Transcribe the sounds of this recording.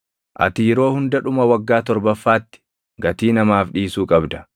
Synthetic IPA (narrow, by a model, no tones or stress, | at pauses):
ʔɐ̰t̪iːɾo̞ːhʊnd̪ɐᶑʊmɐwɐɡːaːt̪ɔɾbɐfːaːt̪ːɪ̥ | ɡɐt̪iːnɐmaːfᶑiːsuːkʼɐbd̪ɐ̥